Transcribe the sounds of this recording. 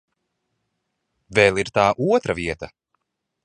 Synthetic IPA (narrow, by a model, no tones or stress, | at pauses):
vɛːlˠiɾt̪aːʔuɔt̪ɾɐviɛt̪ɐ